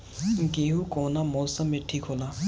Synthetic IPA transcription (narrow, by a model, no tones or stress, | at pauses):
ɡeɦukonamosamːeʈʰikʰola